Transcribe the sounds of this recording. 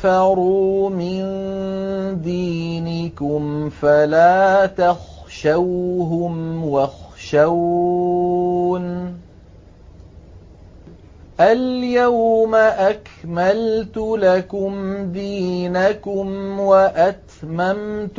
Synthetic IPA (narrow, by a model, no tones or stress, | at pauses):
ɑɾuːmɪn | d̪iːnɪkʊmfalaːt̪axʃawɦʊmwaxʃaw | n | ʔaljawmaʔakmalt̪ʊlakʊmd̪iːnakʊmwaʔat̪mamt̪